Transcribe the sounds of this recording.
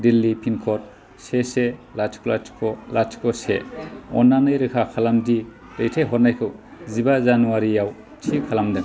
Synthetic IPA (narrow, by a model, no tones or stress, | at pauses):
dilːipʰinkʰɔt̚ | seselat͡ʃkʰolat͡ʃkʰɔlat͡ʃkʰɔsḛɔ̰nːanɯjɾɯkʰakʰalamdi | ɾɯjtʰejɦɔnajkʰɯwzibazanuwaɾijaw | tʰikʰalamdɯŋ